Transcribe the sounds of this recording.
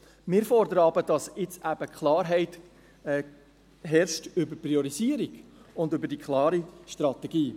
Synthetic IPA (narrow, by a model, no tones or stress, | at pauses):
mɪːɾfɔrd̪əɾəɑbəd̥ɑsɪt͡sæb̥əkχlɑːɾɦɛɪt | ɛ | ɦɛɾʃtʏbəɾpɾiɔɾiziəɾiɡ̥ʊndʏbəɾdikʰχlɑːɾiʃtɾɑt̪ɛɡiː